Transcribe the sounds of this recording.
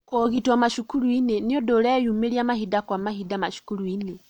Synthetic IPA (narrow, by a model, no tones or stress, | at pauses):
kɔɣitwamaʃukuɾuineniɔdolɛjumeɾiamahidakwamaɦidamaʃu̥kuɾuine